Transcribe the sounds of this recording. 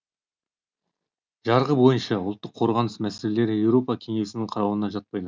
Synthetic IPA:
ʒ̥ɑɾʁəbo̞jənʃɑʊlˠt̪ːəqʰːo̞ɾʁɑnəsmæse̞le̞le̞ɾɪje̞wɾo̞pɑkʲʰe̞ŋe̞sɪnɪŋqʰɑɾɑwənɑʒɑt̪̚pɑjd̪ə

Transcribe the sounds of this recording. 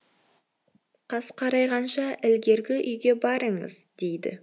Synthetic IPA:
qʰɑsqʰɑɾɑjʁɑnʃɑʔɪlɡʲe̞ɾɡʲɪʔʏjɡʲe̞bɑɾəɴə̰zd̪̥e̞jd̪ɪ̰

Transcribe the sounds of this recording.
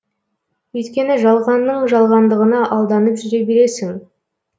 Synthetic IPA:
ɵjt̪kʲe̞nɪʒɑlˠʁɑnːəɴʒɑlˠʁɑnd̪əʁənɑʔɑlˠd̪ɑnəpʒʏɾe̞be̞ɾe̞sɪŋ

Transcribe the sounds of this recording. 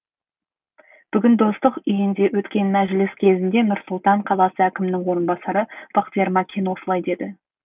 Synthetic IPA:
b̥ʏɡʲɪnd̪o̞st̪əqʏjɪnd̪e̞wɵt̪kʲe̞nmæʒɪlɪskʲʰe̞zɪnd̪e̞nʊɾsʊlˠt̪ɑɴqʰɑlˠɑsəækʲɪmɪnɪŋwo̞ɾənbɑsɑɾəb̥ɑqt̪ijeɾmɑkʲʰenwo̞səlˠɑjd̪e̞d̪ɪ

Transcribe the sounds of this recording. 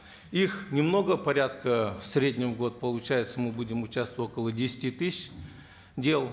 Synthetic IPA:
ixnʲɪmno̞ɡəpɐɾʲat̪̚kəfsʲɾʲedʲnʲɪmɡo̞t̪̚pəlˠʊt͡ɕæjɪt̪səmɨbudʲɪmʊt͡ɕast̪vətʲo̞kəlˠədʲesʲɪ̥tʲit̪ɨsɪɕ | dʲe̞lˠ

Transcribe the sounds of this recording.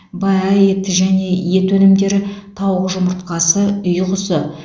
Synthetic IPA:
bɑjɑje̞t̪ːɪʒæne̞je̞t̪wɵnɪmd̪e̞ɾɪt̪ʰɑwʁəʒʊməɾt̪̚qɑsəʏjqʊsə

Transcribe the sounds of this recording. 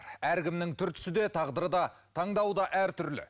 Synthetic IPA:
ɾæɾkʲɪmnɪŋt̪ʰʏɾt̪ʰʏ̥sɪd̪e̞t̪ʰɑʁd̪əɾəd̪ɑt̪ʰɑɴd̪ɑwd̪ɑʔæɾt̪ʰʏɾlɪ̰

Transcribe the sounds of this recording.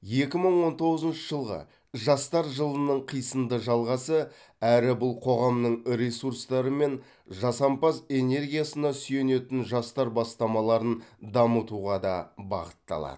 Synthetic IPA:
je̞kʲɪməɴwo̞nt̪ʰo̞ʁəzənʃəʒəlˠʁə̰ | ʒɑst̪ɑɾʒəlˠənəɴqʰijsəmd̪əʒɑlˠʁɑsə | æɾɪbʊlˠqʰo̞ʁɑmnəɴɾʲe̞suɾst̪ɑɾəme̞n | ʒɑsɑmpɑze̞ne̞rɡʲijasənɑsʏje̞ne̞t̪ɪnʒɑst̪ɑɾbɑst̪ɑmɑlˠɑɾənd̪ɑmət̪uʁɑd̪ɑbɑ̰ʁət̪ːɑ̰lˠɑ̰d̪ə

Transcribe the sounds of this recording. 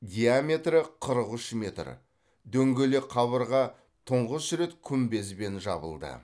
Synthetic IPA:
d̪ʲijamʲe̞t̪rəqʰəɾəqʏʃmʲe̞t̪r | d̪ɵŋɡʲeleqʰɑβəɾʁɑ | t̪ʰʊɴʁəsɾe̞t̪kʲʰʏmbe̞s̬be̞nʒɑ̰bə̰lˠd̪ə̰

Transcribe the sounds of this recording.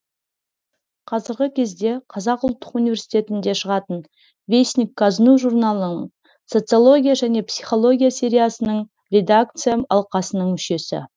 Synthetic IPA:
qʰɑzəɾɡʲɪkʲʰe̞zd̪e̞qʰɑzɑqʊlˠt̪ːə̥qunive̞ɾsi̥t̪e̞t̪ɪnd̪e̞ʃəʁɑt̪ən | vʲejsʲnʲikːɑznuʒurnalˠənəɴ | so̞t̪sɨolˠo̞ɡʲijaʒæne̞psijχo̞lˠo̞ɡʲijasʲe̞ɾʲijasənəɴ | rʲe̞d̪ak̚t̪sɨjaɑ̰lˠqɑsənəɴmʏʃe̞sɪ̰

